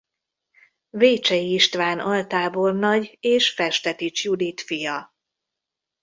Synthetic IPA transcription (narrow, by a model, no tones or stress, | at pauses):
veːt͡ʃɛjiiʃt̪ʋaːnɒlt̪aːbo̞rnɒɟeːʃfɛʃt̪ɛt̪it͡ʃjud̪it̪fijɒ